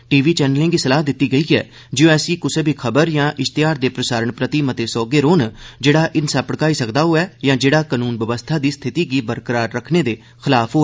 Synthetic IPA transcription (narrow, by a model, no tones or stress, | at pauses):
ʈiːʋiːt͡ʃɛːnəlɪ̃ːŋɡiːsəlaːɦd̪ɪt̪ːiːɡəiːɛ̰ː | d͡ʒijõɛːsiːkʊseːbʱiːkʰəbəɾjãːʔɪʃt̪ɪjaːɾd̪eːpɾəsaːɾəɳpɾət̪iːmət̪eːsɔːɡeːɾoːnd͡ʒeːɽaːʔɪnsəpəɽkaːiːsəkd̪aːɦoːɛːjãːd͡ʒeːɽaːkanuːnʋəʋəst̪ʰaːd̪iːst̪ʰɪt̪iːɡiːbəɾkəɾaːɾːəkʰneːd̪eː | xʰɪlaːpʰɦo